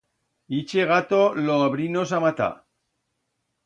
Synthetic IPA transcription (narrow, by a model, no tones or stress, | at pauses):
it͡ʃeɣat̪oloaβɾinos̬amat̪a̰